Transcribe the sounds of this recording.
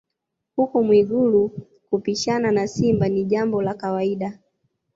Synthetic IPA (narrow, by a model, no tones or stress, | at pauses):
hukɔmwiɡulu | kupiʃananasimbaniʄambɔlakawaiɗa